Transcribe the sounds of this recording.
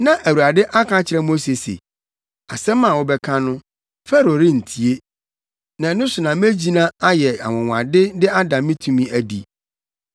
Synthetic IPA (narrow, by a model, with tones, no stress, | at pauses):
nã˨ʔæ˨wu˨a˨dɪ˦ʔa˦kʰã˦t͡ɕʰɪ˨ɾɛ˦m˦o˦se˨sḛ˨ | a˨sɛ˦mːã˨wʊ˦bɛ˦kʰã˦nʊ̃˦ | fɛ˦ɾo˨ɾi˦n̩˨tʰi˨e˦ | nã˨˦nʊ̃˦sʊ˨nã˨m˦e˦d͡ʑi˦nã˦a˦jɛ˨a̰˨wʊ̃˨wã̰˨dɪ˦dɪ˦a˦dã˨mĩ˦tʰũ˦mĩ˦æ˦dḭ˨